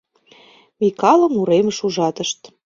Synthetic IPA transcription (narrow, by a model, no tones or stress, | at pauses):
mikɑlə̆muɾeməʃuʒɑt̪əʃt̪